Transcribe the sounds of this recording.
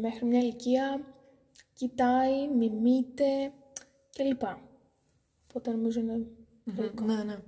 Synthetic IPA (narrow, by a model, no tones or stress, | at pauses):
me̞xɾimɲɐiliciɐ | cit̪ɐimimit̪e̞ | celipɐ | opot̪eno̞mizoine | olikonne